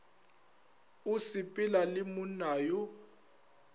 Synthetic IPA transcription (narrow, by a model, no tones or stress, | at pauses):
usipʼɪlalɪmunaːju